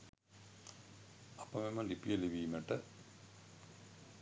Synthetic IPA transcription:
ɐpːɐmemːɐlipːijɐliʋiːmeʈːɐ

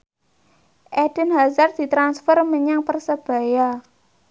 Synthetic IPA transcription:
ʔɛd̥ə̤nɦazard̪̥i̤t̪ɾansfərməɲaŋpərsəb̥a̤ja

